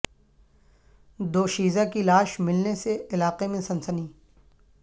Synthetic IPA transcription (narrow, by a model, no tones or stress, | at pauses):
d̪oːʃiːzakilaːʃmɪlneseɪlaːqemẽsɐ̃nsəniː